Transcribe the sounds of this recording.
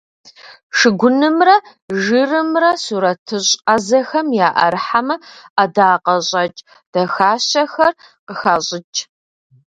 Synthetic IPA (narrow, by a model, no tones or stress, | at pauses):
ʂɨɡʷʊnɨmrɐ | ʒɨrɨmrɐsuːɾɐtʰɨɕʼɐzɐxɐmjaːʔɐ̰ɾħamɐɐdaːqɐɕʼɐt͡ʃʼ | d̥ɐxaːɕɐxɐr | qəxaːɕʼɪt͡ʃʼ